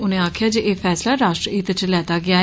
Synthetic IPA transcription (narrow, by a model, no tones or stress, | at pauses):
ʊnẽːaːkʰjaːd͡ʒeʔeːpʰɛːslaːɾaːʃʈɾəiːt̪t͡ʃlɛːt̪aːɡɪaː